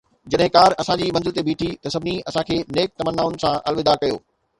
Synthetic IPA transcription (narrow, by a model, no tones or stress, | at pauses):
d͡ʑɐɗɦɪ̃kaːɾɐsãd͡ʑiːmɐ̃nzɪlt̪ebʱiːʈʰit̪ɐsɐbʱɪniɐsãkʰeːneːk̚t̪ɐmənːaːʊ̃nɪ̆sãʔɐ̰lʋɪd̪aːɾkɐjo̰ː